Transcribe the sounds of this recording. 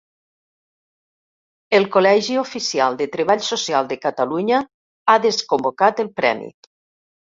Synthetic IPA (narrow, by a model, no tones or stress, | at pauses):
elˠkolɛʒiofisialˠd̪ət̪ɾeβ̞aʎsosialˠd̪əkat̪aluɲə | aðeskombokat̪əlˠpɾɛ̰mḭ